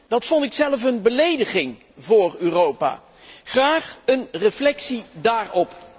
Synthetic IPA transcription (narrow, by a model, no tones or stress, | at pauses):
d̥ɑtfɔntɪksɛləfənbəlejdəχɪŋ | vʊːryːrowpa̰ː | χraːχənrəflɛksidaːrɔp